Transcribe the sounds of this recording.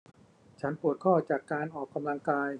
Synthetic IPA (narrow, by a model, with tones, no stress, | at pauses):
t͡ɕʰa˦˥npu˨˩ət̪̚kʰɔː˥˩t͡ɕaː˨˩kːaː˧nʔɔː˨˩kːa˧mla˧ŋkaː˧j